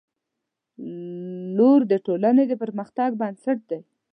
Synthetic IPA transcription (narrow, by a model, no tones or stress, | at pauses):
loɾd̪əʈolaned̪əpəɾməxt̪aɡ̚bansaʈ̚d̪aj